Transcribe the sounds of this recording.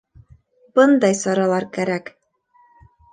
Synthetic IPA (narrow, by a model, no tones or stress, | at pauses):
b̥ɤnd̪ɑjsɑɾɑlˠɑɾkæɾæk